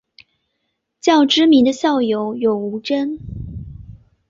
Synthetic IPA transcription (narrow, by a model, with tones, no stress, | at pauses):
t͡ɕjɑ˥˩ʊʈ͡ʂɻ̩˥mi˧˥nd̪ə˧ɕjɑ˥˩ʊjo˧˥ʊjo˨˩ʊu˧˥ʈ͡ʂə˥n